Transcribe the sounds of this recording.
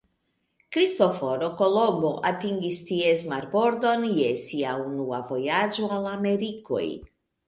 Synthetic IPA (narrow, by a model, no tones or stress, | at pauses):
kɾisto̞fo̞ɾo̞ko̞lo̞mbo̞ʔatiŋɡistiesmaɾbo̞ɾdo̞nje̞siaunuavo̞jad͡ʒo̞alame̞ɾiko̞̰j